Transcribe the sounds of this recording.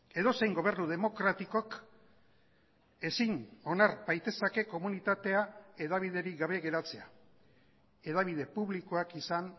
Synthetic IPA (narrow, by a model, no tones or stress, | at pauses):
e̞ðo̞se̞jŋɡo̞β̞e̞ɾnuð̞e̞mo̞kɾat̪iko̞k | e̞sino̞naɾbajt̪e̞sake̞ko̞munit̪at̪e̞ae̞ðaβ̞ið̞e̞ɾiɡaβe̞ɣe̞ɾat͡se̞a | e̞ðaβ̞iðe̞puβliko̞akisan